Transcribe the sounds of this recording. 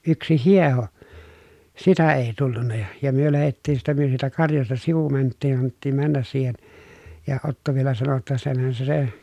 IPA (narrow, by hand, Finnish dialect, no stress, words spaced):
yksi hieho sitæ eː tulːunːɑ jɑ jɑ myø læhetːiːn siːtæ myø siːtæ kɑrjɑstɑ siʋu mæntːiːn ɑnːetːiːm mænːæs siːhen jɑ otːo ʋielæ sɑno tːɑ senhæn se se